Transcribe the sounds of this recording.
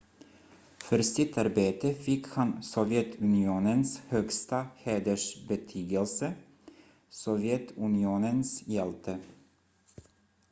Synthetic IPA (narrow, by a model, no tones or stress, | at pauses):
fœɾsɪt̪ʰːaɾbeːt̪əfɪkhansɔvjɛt̪ʰʉnɪuːnənshœɡst̪aheːd̪əʂbɛt̪ʰyːɡəlsə | sɔvjɛt̪ʰʉnɪuːnənsjɛlt̪ʰə